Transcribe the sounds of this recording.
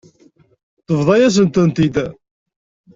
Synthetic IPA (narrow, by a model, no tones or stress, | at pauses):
θəvðˤɑjæs̬ənt̪ənt̪id̪